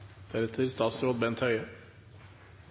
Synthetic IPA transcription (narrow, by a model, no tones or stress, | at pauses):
d̪̥æɾɛt̪ʰəɾst̪ɑːt̪sɾoːd̪̚bɛnt̪ʰhœʏə